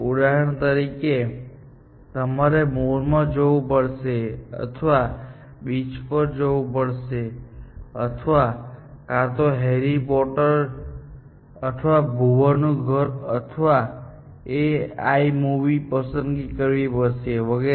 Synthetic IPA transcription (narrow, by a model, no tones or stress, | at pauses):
uɽaɦəɳt̪əɾike | t̪əmaɾemoɾmãd͡ʒoʋupəɭʃeə̰t̪ʰəʋa | bit͡ʃpəɾd͡ʒoʋupəɭʃe | ət̪ʰəʋakat̪oɦeɾipɔʈəɾ | ət̪ʰʋabʱuʋanũɡʱəɾət̪ʰʋa | ea̰imuʋipəsənɡikəɾʋipəɾʃeʋəɡe